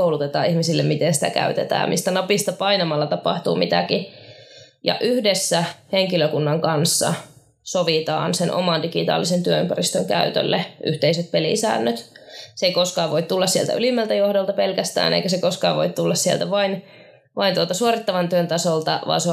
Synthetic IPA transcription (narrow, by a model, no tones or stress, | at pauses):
oulut̪et̪ɑːihmisilːemmit̪ensi̥t̪æ̰kæ̰yt̪et̪æ̰ːmmʔḭst̪ænɑpist̪ɑpɑinɑmɑlːɑt̪ɑpɑ̰ht̪uːmit̪æki | jɑ̰ʔyhdesːæheŋkiløkunːɑŋkɑnsːɑ̰ | soʋit̪ɑ̰ːnsenʔo̰mɑndikit̪ɑ̰ːlisent̪yøympærist̪øŋkæyt̪ø̰lːeʔy̰ht̪eiset̪̚pelḭsæ̰ːnːøt̪seikoskɑːʋʋoit̪t̪ulːɑssielt̪æ̰ylimːælt̪æjohdolt̪ɑpelkæst̪æ̰ːnʔḛikæsekoskɑːʋo̰it̪t̪ulːɑssiḛlt̪æʋɑin | ʋɑint̪uot̪ɑsuorit̪ːɑʋɑnt̪yønt̪ɑsolt̪ɑʋɑ̰ːnse